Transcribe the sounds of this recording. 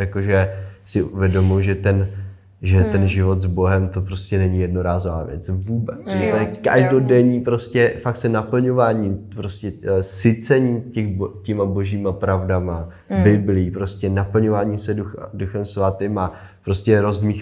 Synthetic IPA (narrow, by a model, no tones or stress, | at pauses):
jakoʒɛsɪʔuvjɛdo̞muʒɛt̪ɛn | ʒɛt̪ɛnʒɪvo̞t̪zbo̞ɦɛmt̪o̞pɾo̞scɛnɛɲɪjɛdno̞ɾaːzova̰ːvjɛ̰t͡svuːbɛt͡snot̪ojɛkaʒdodɛɲiːpɾo̞scɛfak̪̚sɛnapl̩ɲo̞vaːɲimpɾo̞scɛsɪt͡sɛɲiːmcɛxbcɛmabo̞ʒiːmapɾavdama | bɪblɪiːpɾo̞scɛnapl̩ɲo̞vaːɲiːmsɛduxa̰duxɛmsvat̪ɪma | pɾo̞scɛɾo̞zdmiːx